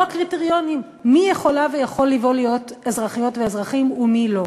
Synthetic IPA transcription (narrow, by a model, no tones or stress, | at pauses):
akʁiteʁjo̞nimː | ijeχo̞lave̞jaχo̞lːivo̞lijo̞tezʁaχijo̞tveːzʁaχimumilo̞